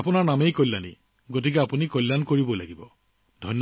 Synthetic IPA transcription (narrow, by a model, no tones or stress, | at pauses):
apʊnaɹnamejkɔjlːanḭ | ɡotikɛapunikɔjlːankoɹibɔla̰ɡibɔ | dʱɔjnː